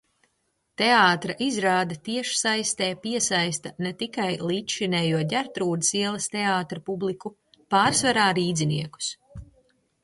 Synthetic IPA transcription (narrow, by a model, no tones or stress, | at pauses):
t̪eaːt̪ɾaʔizɾaːd̪at̪iɛʃi̥sajst̪ɛːpiɛsajst̪ɐnet̪ikajliːt̪ʃinɛːjuɔɟ̪ʲaɾt̪ɾuːd̪isiɛlˠɐst̪eaːt̪ɾapublˠiku | paːɾsvaɾaːɾiːd̪ziniɛku̥s